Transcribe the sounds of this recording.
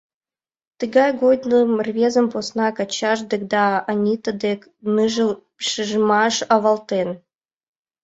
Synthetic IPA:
t̪ɨɡɑjɡod̪ʲnəmrvʲezə̆mposnɑkɑt͡ɕɑʒd̪ekd̪ɑɑnʲit̪əd̪ek | nɨʒə | ʃɨʒmɑʃɑβɑlt̪en

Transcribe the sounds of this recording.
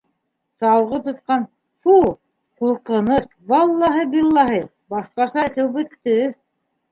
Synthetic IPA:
sɑwʁɤt̪ŏt̪qɑn | fu | quɾqɤ̆nɤθ | βɑlˠːɑɦɤbilˠːɑɦɤ | bɑʃqɑsɑsɘwbɵ̆t̪ːɘ

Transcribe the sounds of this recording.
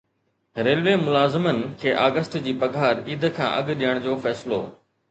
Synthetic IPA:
ɾeːlʋeːmʊlaːzɪmənɪ̆kʰeːʔaːɡəsʈd͡ʑiːpɐɡʱaːɾiːd̪ʱkʰã̰ːʔɐ̰ɠɗijəɽ̃d͡ʑoːfɛːsɪlo̰ː

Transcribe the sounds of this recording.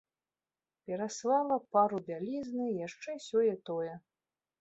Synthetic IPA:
pʲɛɾasvalˠɐpaɾubʲalʲiznɨjaʂt͡ʂɛsʲɔjɛt̪ɔjɛ

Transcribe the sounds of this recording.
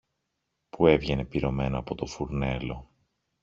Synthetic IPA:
pue̞vʝe̞ne̞piɾo̞me̞noɐpo̞t̪o̞fuɾne̞lo̞

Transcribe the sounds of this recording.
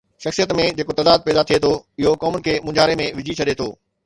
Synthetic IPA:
ʃɐxsijət̪mẽd͡ʑeːkot̪ɐd̪aːd̪̚pɛːd̪at̪ʰiet̪ʰoɪɦokɔːmʊnɪ̆kʰeːmʊ̃d͡ʑaːɾemẽʋɪd͡ʑʱit͡ɕʰɐɗet̪ʰo̰ː

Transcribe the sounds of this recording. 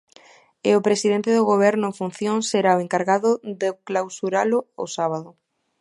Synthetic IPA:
ɪʊpɾesiðent̪ɪðʊɣoβ̞ɛɾnʊeŋfun̟θjoŋseɾaoeŋkaɾɣaðʊðeklawsuɾalʊʊ̰saβ̞aðʊ

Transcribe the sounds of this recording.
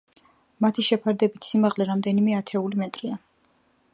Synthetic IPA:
mat̪ʰiʃɛpʰaɾd̪ɛbit̪ʰsimaʁlɛɾamd̪ɛnimɛat̪ʰɛulimɛt̪ʼɾia

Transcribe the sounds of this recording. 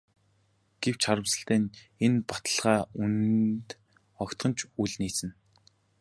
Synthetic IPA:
ɡ̥ew̥t͡ɕʰaɾə̆wsə̆ɬt̪æːnenpat̪ə̆ɮʁaːunt̪ | ɔkt̪χɢɞ̆nt͡ɕʰuɮniːt͡sɘ̆n

